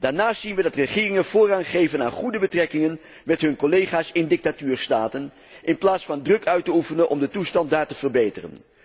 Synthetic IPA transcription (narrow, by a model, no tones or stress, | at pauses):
d̥aːɹnaːstsinʋədɑtrəχɪːrɪŋənv̥ʊːraːnχejvəna̰ːnχudəbətrɛkɪŋən | mɛtɦɵnkolejχaːsɪndɪk̚tatyːɹstaːtən | ʔɪnplaːtsfɑndrɵkœɥtəufənənʔɔ̰mdətustɑnt̚daːɹtəv̥ərbejtərə̰n